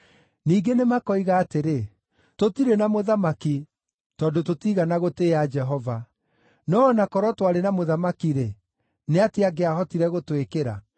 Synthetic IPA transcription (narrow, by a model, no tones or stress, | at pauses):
niːɡenemakɔiɣaːteɾe | totiɾenamoðamaki | tɔːdototiɣanaɣoteːad͡ʒɛɦɔva | nɔːnakɔɾwɔtwaɾenamoðamakiɾe | neateaɡeaɦɔtiɾɛɣotwekeɾa̰